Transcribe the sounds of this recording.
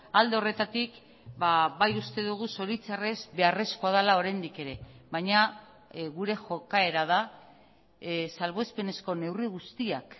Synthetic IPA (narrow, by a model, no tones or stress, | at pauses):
ald̪e̞o̞re̞t̪at̪ik | baβajust̪e̞ðuɣ̞uso̞ɾit͡sare̞zβe̞are̞skoað̞alao̞ɾajnd̪ike̞ɾe̞βajɲa | ɣuɾe̞xo̞kae̞ɾað̞a | salβ̞o̞espe̞ne̞sko̞ne̞wriɣ̞ust̪iak